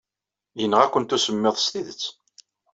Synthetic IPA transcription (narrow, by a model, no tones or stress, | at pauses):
jənːəʁækʷːənt̪usəmːɪðˤst̪iðət͡sː